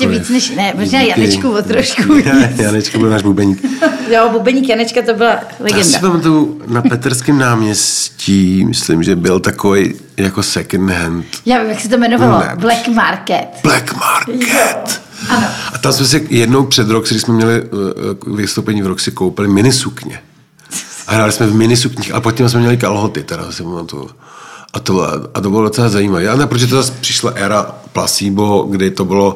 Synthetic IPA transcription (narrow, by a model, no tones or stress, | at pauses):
ɛviːt͡snɛʃnɛmoʒnaːjanɛt͡ʃkuvot̪ɾoʃkuɛjanɛt͡ʃkobɪlnaːʒbubɛɲiːkjobubɛɲiːkjanɛt͡ʃkat̪obɪla | lɛjaɡɛsndaɛpamat̪uwnapɛt̪ɛɾskɪmnaːmɲɛsciːmɪ̰slɪ̰mʒɛbɪlt̪akovej | jakosɛkɛnd̪ɦɛnt̪jaːvimjaksɛt̪omɛnovalo̰blɛkmaɾkɛt̪blɛkmaɾkʰɛt̪ | anʔat̪amsmɛs̬ɪjɛdnowpr̥ɛd̪ɾoksɡdɪʃsmɛmɲɛlɪ | vɪst̪owpɛɲivɾoksɪkowpɪlɪmɪnɪsukɲɛ̰ | ʔaɦɾaːlɪsmɛvmɪnɪsukɲiːxa̰pot̪̚cːɛmsmɛmɲɛlɪkalɦot̪ɪt̪ɛɾa̰sɪpamat̪ṵj̰ | ʔat̪o̰ʔat̪obɪlodot͡sɛlazajiːmaviːʔanɛpɾtoʒɛt̪ozaspr̥ɪʃlaʔɛɾaplasiːboɡdɪt̪obɪlo